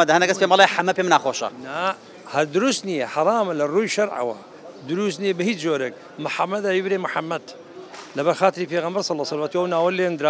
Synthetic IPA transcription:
ɐd̪ahɐnɐɡɐspeːmlaħamːɐpeːmnaːxoːʃɐ̰na | hɐɾd̪ʊɾust̪nijeħɑɾˤɑːmɐlɐruːjʃɐɾʕɐ̰wɐ̰ | d̪ʊɾust̪nijebɨhiːt͡ʃd͡ʒoːɾek̚ | mʊħamːɐd̪abibɾemʊħamːɐd̪ | lɐbɐɾxaːt̪ɾiːpʰeːɣɐmbɐɾsˤɑlːɑsɐlwat̪uɐwnaːwɐleːnd̪ɾa

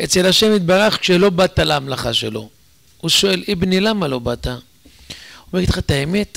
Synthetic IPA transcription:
et͡se̞laʃe̞mit̪̚baʁaχkʃelo̞bat̪alaamlaχaʃelo̞̰ | uʃo̞e̞libnilamalo̞bat̪a | meit̪χat̪aeme̞t̪

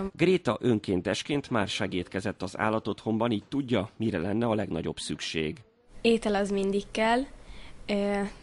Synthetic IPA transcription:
ɡreːt̪ɒʔø̞ŋkeːnt̪ɛʃkeːnt̪maːrʃaːɡeːt̪kɛzɛt̪ːɒza̰ːlːɒt̪ot̪ho̞mbɒniːc̚t̪uɟːɒmiɾɛlɛnːɛɒlɛɡnɒ̰ɟo̞̰bsykʃḛːɡ | eːt̪ɛlɒzmind̪ikːɛlː

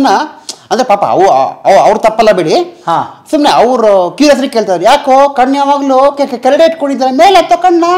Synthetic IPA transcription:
nɐɐnd̪ɐɾepaːpa̰ɐ̰ʋ̰ɐʋɐʋɾt̪ɐpːɐlːɐbiːɽihasumneɐʋɾkiːɾɐs̬ɾikːe̞ːɭt̪ajd̪ɐɾjaːkoːkɐɳːjaːʋaːɡɐlukekkelɽeːʈkoɳid̪aːɾemeːlet̪ːokɐɳːa

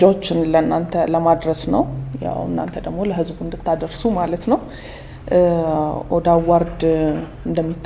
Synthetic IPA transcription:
d͡ʒawot͡ʃːɪnlənːant̪ʰələmad̪ɾəsnəwja̰wɨ̰nːa̰nt̪ʰəd̪əɡmo̞ləɦɨzbuɨnd̪ɨt̪ʰːad̪əɾsumalət̪nəw | ʔɔd̪awaɾd̪ | ɨnd̪əmːit̪ʰː

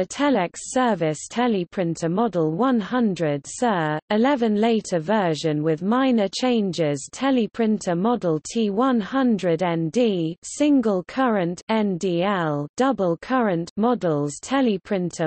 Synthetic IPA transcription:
ətʰɛlɛksɜːvɪstʰɛlipʰɹ̥ɪ̃ntʰəmɒdəl̩ˠwʌ̃nhʌ̃ndɹəd̥sɜːɪlɛvə̃nleɪtʰəvɜːˑʒə̃nwɪðmaɪnət͡ʃʰẽɪ̃nd͡ʒɪz̥tʰɛlipʰɹ̥ɪ̃ntʰəmɒdəl̩ˠtʰiːwʌ̃nhʌ̃ndɹədɛ̃ndiːsɪ̃ŋɡəlˠkʰʌɹə̃ntɛ̃ndiːɛlˠd̥ʌbəlˠkʰʌɹə̃nʔmɒdl̩ˠz̥tʰɛlipʰɹ̥ɪ̃ntʰə

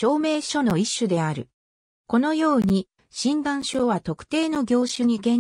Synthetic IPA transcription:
o̞ːme̞ːɕo̞no̞iɕːɨd̪e̞aɾɯ̟ | ko̞no̞jo̞ːɲ̟i | ɕĩnd̪ãɰ̃ɕo̞ːβat̪o̞kɯ̥t̪e̞ːno̞ɡʲo̞ːɕɨɲ̟iɡẽ̞

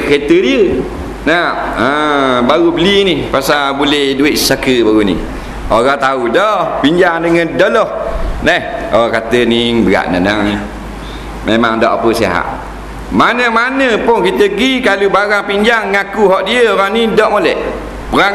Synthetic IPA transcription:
ket̪ədiə | naəbaɣubəlinipasabulɛhduɪʔsakəbaɣunḭh | oɾaŋt̪audɔhpiɲd͡ʒaŋdəŋəndɔlɔhlɛhoɣaŋkat̪əniŋbəɣa̰ʔnã̰naŋn | memaŋdɔʔapəsia̰ɦa̰ʔ | manəmanəpʊnkit̪əɡikalubaɾaŋpiɲd͡ʒaŋːakuɦɔʔdiəoɾaŋnidɔʔmolɛʔ | pəɾa

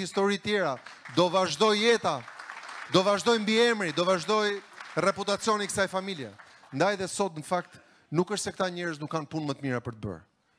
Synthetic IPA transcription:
ist̪ɔɾit̪jɛɾad̪ɔvaʒd̪ɔjɛt̪a | d̪ɔvaʒd̪ɔjmbiɛmɾid̪ɔvaʒd̪ɔjrɛput̪at͡sjɔnikə̥sajfamiljɛ̰ | nd̪ajðɛsɔt̪nəfak̚t̪ | nukəʃt̪sɛk̚t̪aɲɛɾəznukːanpunmət̪miɾapəɾt̪əbə̰ɾ

